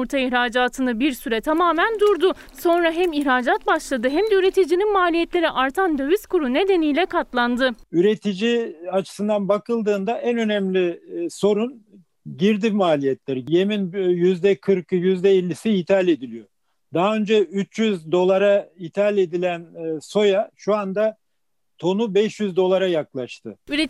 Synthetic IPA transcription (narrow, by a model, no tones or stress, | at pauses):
uɾt̪ʰaiçɾaːd͡ʒaːt̪ʰɯnɯbiɾsyɾɛt̪ʰamaːmænd̪uɾd̪ʊ | so̞nɾaɦæmiçɾaːd͡ʒat̪̚baʃlˠad̪ɯɦæmd̪ɛyɾe̞t̪ʰid͡ʒininmaːlʲijɛt̪lʲe̞ɾiʔaɾt̪ʰand̪ø̞vyskʰuɾune̞d̪e̞nijlʲɛkʰat̪lˠand̪ɯyɾet̪ʰid͡ʒiat͡ʃʰɯ̥sɯnd̪anbakɯlˠd̪ɯːnd̪aʔænønɛmlʲiso̞ɾun | ɟiɾd̪imaːlʲijɛt̪ʰlʲæɾje̞minjyzd̪ɛkʰɯɾkɯjyzd̪ɛilʲːisiit̪ʰalʲed̪ilʲijo̞ | d̪aɦaø̞nd͡ʒɛyt͡ʃjyzd̪o̞lˠaɾait̪ʰalʲe̞d̪ilʲænso̞jaʃuand̪a | t̪ʰo̞nubɛʃjyzd̪o̞lˠaɾajaklˠaʃt̪ʰɯyɾe